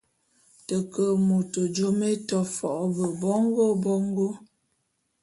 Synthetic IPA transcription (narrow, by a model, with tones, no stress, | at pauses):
tə˨kə˨mu˨to˨d͡ʒo˦me˦tɔ˨fɔ˨ʔbə˨bɔ˦ŋ˦ɡo˦bɔ˦ŋ˦ɡo˦